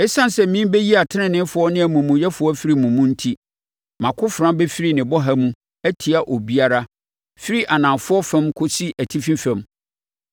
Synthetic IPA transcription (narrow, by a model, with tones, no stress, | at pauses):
ɛ˦sã˦n˨sɛ˦mĩ˦be˦ji˦a˨tʰɪ˦ɪ̃˦˨nɪ̃˦fʊ˨˦ɔ˦nɪ̃˦æ˨mũ˨mũ˨jɛ˦fʊ˨ɔ˦fi˦ɾi˨mũ˨mũ˦n̩˦tʰi˦ | mã˨kʰʊ˦fʊ˨ɾã˦bɛ˦fi˦ɾi˨nɪ̃˨bɔ˦ɦa˦mũ˦ | æ˦tʰi˨a˨ʔo˨bi˦a˦ɾa˦ | fi˦ɾi˦ʔa˨nã˨mfʊ˦ɔ˦fɛ̃˦mkʰo˦si˦ʔæ˨tʰi˦fĩ˦fɛ̃˨m